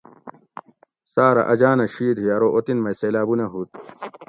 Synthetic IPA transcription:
saːɾɐ̰ʔɐd͡ʑaːnɐɕiːd̪ɦiɐɾoʔot̪inmɐjseːlaːbunɐɦuːt̪

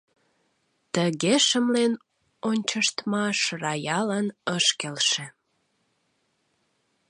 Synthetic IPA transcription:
t̪əɣeʃəmlen | onʲt͡ɕəʃt̪mɑʃrɑjɑlənəʃkelʃe

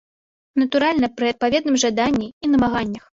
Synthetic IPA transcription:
nɐt̪uɾalʲnɐpɾɨɐt̪̚pavʲɛd̪nɨmʐad̪anʲːiinɐmaɣanʲːɐx

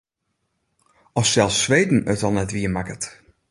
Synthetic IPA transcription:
ɔfsɛlˠsːʋeːdn̩ətɔlˠnɛtʋiəmakət

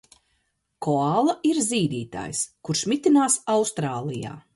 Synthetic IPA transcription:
kʰɔaːlˠɐʔiɾziːd̪iːt̪a̰ːjskuɾʃmit̪inaːsawst̪ɾaːlˠija̰ː

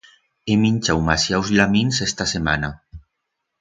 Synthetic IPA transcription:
eminʲt͡ʃawmasjawzʎaminsɛst̪asema̰na

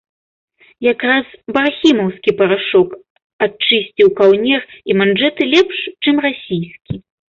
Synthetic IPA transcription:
jakɾazbarxʲimɐwskʲipɐɾaʂɔk | at͡ʂɨsʲt͡sʲiwkawnʲɛrimand͡ʐɛt̪ɨlʲɛpʂt͡ʂɨmrasʲijskʲi

